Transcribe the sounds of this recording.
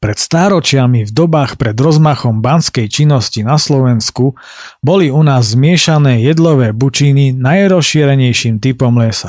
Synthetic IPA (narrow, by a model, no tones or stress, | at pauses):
pɾɛt̪st̪aːɾɔt͡ʃɪamivd̪ɔbaːxpɾɛd̪ɾɔzmaxɔmbanskɛjt͡ʃinːɔscinaslɔʋɛnsku | bɔliunaːzːmɪɛʃanɛːjɛd̪lɔʋɛːbut͡ʃininajɾɔsʃiːɾɛɲɛjʃiːmt̪ipɔmlɛsa